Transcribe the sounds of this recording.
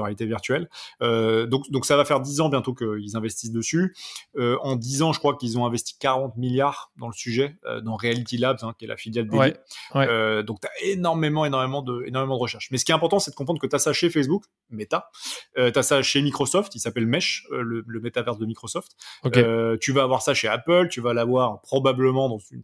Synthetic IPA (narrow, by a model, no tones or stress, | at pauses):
ʁalit̪eviʁt̪ɥɛlød̪ɔ̃kd̪ɔ̃ksavafɛʁd̪izɑ̃bjɛ̃t̪okəilzɛ̃vɛst̪isd̪əsyøɑ̃d̪izɑ̃ʒəkχwakilzɔ̃ɛ̃vɛst̪i̥kaʁɑ̃t̪miljaʁd̪ɑ̃ləsyʒɛø̰d̪ɑ̃ʁealit̪ilabzɛ̃kʲiɛlʔa̰filjald̪eiwɛød̪ɔ̃k̚t̪yaenɔʁmemɑ̃enɔʁmemɑ̃d̪əḛnɔʁmemɑ̃d̪əʁəʃɛʁʃmɛsə̥kʲɛtɛ̃pɔʁt̪ɑ̃sɛd̪əkɔ̃p̬ʰχɑ̃ʁkət̪yasaʃefɛs̬buk | met̪aøt̪ɥasaʃemikχɔsɔft̪ilsapɛlmɛʃølələmet̪avɛʁsd̪əmikχɔsɔft̪oket̪yvaːvwaʁsaʃeapəlt̪yvalavwaʁpχɔbabləmɑ̃d̪ɑ̃zyn